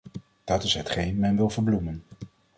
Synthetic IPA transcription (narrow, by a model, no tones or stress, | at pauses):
d̥ɑtɪsɦətχejnmɛnʋɪlˠvəɹblumən